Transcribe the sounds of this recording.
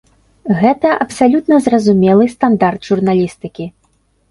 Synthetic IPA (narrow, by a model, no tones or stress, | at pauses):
ɣɛt̪ɐʔɐpsalʲut̪nɐzrɐzumʲɛlˠɨst̪and̪ard̪ʐurnalʲist̪ɨkʲi